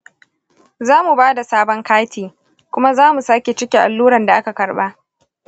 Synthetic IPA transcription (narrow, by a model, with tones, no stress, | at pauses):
zaː˦mu˨baː˦da˨saː˦bɔ˦ŋkaː˦tʰiː˨ | kʷʊ˦ma˦zaː˦mu˨saː˦kʲe˨t͡ʃɪ˦kʲe˨ʔa̰˨lːuː˦ɾɐ˨nda˨ʔa˦ka˨kɐ˨ɽɓa˦ʔ